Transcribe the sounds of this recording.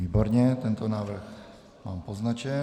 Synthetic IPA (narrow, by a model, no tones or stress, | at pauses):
iːboɾɲɛt̪ɛnt̪onaːvr̩x | maːmpoznat͡ʃɛ